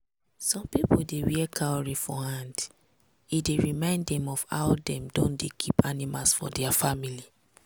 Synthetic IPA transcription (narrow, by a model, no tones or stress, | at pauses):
sɔ̃mpipodewiɛkʰaɔɹifɔhãnd | ideɹimãɪ̃nddɛ̃mɔfa̰ʊdɛ̃mdõndekʰipanimalsfɔ̰dɛafamili